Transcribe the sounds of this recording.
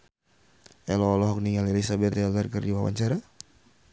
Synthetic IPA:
ɛlɔlɔɦɔk̚niŋalelisabɛt̪ɛlərkərd͡ʒiwawa̰ɲt͡ʃaɾa

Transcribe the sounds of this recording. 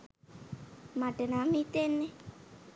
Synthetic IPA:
maʈənamit̪enːe

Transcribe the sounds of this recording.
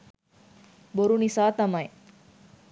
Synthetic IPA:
boɾunisaːt̪ɐmɐj

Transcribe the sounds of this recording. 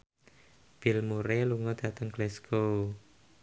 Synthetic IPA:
b̥ɪ̤lmuɾeluŋɔd̪̥ä̤t̪əŋɡlɛskʰo

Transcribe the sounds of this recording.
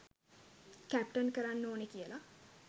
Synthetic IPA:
kæp̚ʈənkəɾanːoːnekijəla

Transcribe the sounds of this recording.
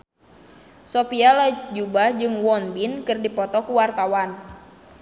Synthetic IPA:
sopialad͡ʒubahd͡ʒɨŋwɔnbinkɨrdipɔt̪ɔkuwart̪awan

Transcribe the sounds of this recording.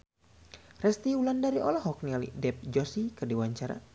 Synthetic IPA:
rɛst̪iulandaɾiɔ̰laɦɔk̚nialḭdɛp̚d͡ʒɔsikɨrdiwaɲt͡ʃaɾa̰

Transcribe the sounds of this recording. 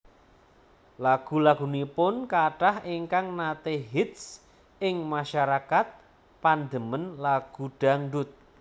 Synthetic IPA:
laɡ̥ṳlaɡ̥ṳnipʊnkaʈahiŋkaŋnat̪eɦit̪̚s | ɪŋmaʃaɾakat̪̚ | pand̪əmənlaɡ̥uɖ̥a̤ŋɖʊt̪̚

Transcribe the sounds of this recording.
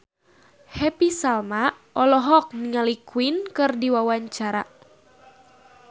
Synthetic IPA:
hɛpisalma | ʔɔlɔɦɔk̚niŋalikwinkɨrdiwawaɲt͡ʃaɾa

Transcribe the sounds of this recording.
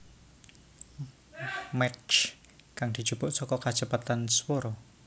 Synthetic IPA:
mɛt͡ʃ | kaŋd̪̥i̤̥d͡ʒ̥ub̥ʊʔsɔkɔkat͡ʃəpat̪answɔɾɔ

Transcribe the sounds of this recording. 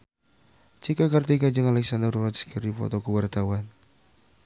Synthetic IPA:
t͡ʃikakart̪ikad͡ʒəŋalɛksandərwat̪sə̥kəɾifɔ̰t̪ɔkəwart̪awan

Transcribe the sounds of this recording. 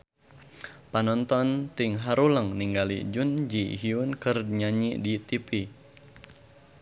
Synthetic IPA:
panɔnt̪ɔnt̪ɪŋɦaɾuləŋniŋɡalḭd͡ʒund͡ʒiɦiunkərɲaɲiʔdit̪ipi

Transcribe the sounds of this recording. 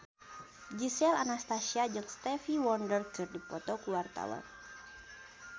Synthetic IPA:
d͡ʒisɛlanast̪asiad͡ʒɨŋst̪ɛfiwɔndərtɨrdipɔt̪okuart̪a̰lə̰m

